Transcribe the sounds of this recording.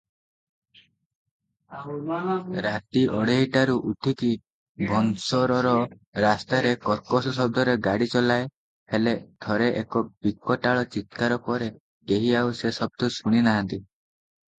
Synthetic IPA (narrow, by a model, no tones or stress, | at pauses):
ɾat̪iʔɔɽeɦiʈaɾuʔuʈʰiki | bʱɔnsɔɾɔɾɔ | ɾast̪aɾekɔɾkɔsɔsɔb̚d̪ʱɔɾeɡaɽit͡ʃɔlae | heled̪̥ʱɔɾeʔekɔb̥ikːɔʈaɭɔt͡ʃit̪̚kaɾɔkɔɾe | ɡ̪eɦiausesɔb̚d̪ʱusuɽ̃inaɦant̪i